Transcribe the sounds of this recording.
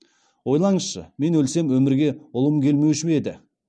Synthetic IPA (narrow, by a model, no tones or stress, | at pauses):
wo̞jlˠɑɴəsʃə̰me̞nwɵlse̞mwɵmɪɾɡʲe̞ʊlˠəmkʲʰe̞lme̞wʃɪme̞d̪ɪ